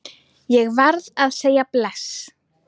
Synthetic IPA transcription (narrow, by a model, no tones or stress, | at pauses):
jɛɣvaɾðaðseːjaplɛs